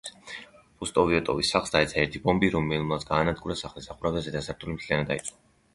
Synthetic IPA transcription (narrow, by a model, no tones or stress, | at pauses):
pʰust̪ʼɔviɔt̪ʼɔvisːaχlˠsd̪aɛt̪sʰaɛɾt̪ʰibɔmbiɾɔmɛlˠmˠat̪sɡaːnad̪ɡuɾasaχlisaχuɾavazɛd̪asaɾt̪ʰulimt̪ʰlianad̪ait̪sʼɔ